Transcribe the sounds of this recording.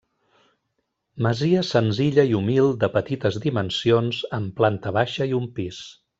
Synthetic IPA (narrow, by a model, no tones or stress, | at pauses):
məziəsənziʎəiumilˠd̪əpət̪it̪əzðimənsionzəmplant̪əβ̞aʃəiumpis